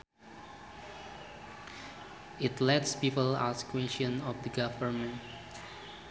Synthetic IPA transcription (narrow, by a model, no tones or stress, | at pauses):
ɪtlɛtspipəla̰skwɛ̃nʃɔ̃nɔfd̪əɡavəɹmɛ̃nt